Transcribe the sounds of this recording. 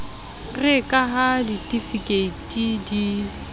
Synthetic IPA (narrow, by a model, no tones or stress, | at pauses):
rɪkʼaɦaditʼifikʼeitʼidi